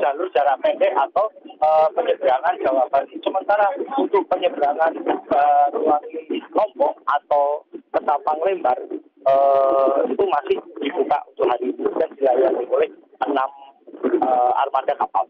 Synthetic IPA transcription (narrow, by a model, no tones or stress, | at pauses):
d͡ʒ̥alʊrd͡ʒaɾapɛndɛat̪awəpəɲəbəɾaŋand͡ʒawabanisəmənt̪aɾaut̪ʊpəɲəbəɾaŋanərulaŋilɔmpɔŋat̪awkət̪apaŋlembar | əit̪umasɪhd̥ibuka̰ʔunt̪ʊʔɦaɾid̥andilajanimulɛh | ənam | əa̰rmadakapa̰l